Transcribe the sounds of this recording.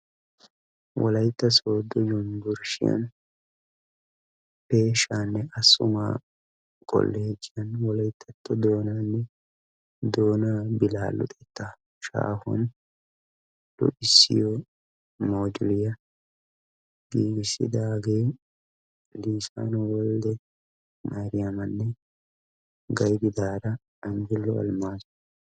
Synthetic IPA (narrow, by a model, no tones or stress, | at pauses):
wɔ̰lɐjt̪ːɐso̞ːd̪ɔjɔnd̪ʊɾʃɪ̰jɐ̰n | peːʃaːnːɛɐsʊma̰ː | kʼɔ̰lːeːd͡ʒːɪjɐnwɔlɐjɪt̪ʰːɐt̪ʰːɔd̪o̞ːnaːnːɛ | d̪o̞ːnaːbɪlaːlːʊ̰t̪ʼɛt̪ːa | ʃa̰ːhʊ̰n | d̪̥ʊ̰ʔɪsːɪ̰jɔ | moːd͡ʒʊlɪjɐ | biːɡɪsɪ̰d̪aːɡeː | liːsa̰ːnʊwɔld̪ɛ | maɾɪjɐmɐnːɛ | ɡɐjɡɪd̪aːɾɐː | mɡɪlːɔɐ̰lmaːsʊ̥